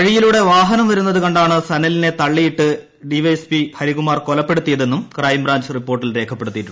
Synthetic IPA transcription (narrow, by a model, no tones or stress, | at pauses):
kɐɻijiluɽe̞ʋaːɦɐnɐmʋɐɾunːɐðuɣɐɳɖaːɳɨsɐnɐline̞t̪ɐɭːijiʈːɨ | ɖiʋɐjespihɐɾiɣumaːrkolɐpːe̞ɽut̪ːijɐðe̞nːumkrɐːjimbraːɲd͡ʑripːo̞ːrʈ̬ːilre̞ːkʰɐpːeɽut̪ːijiʈːuɳː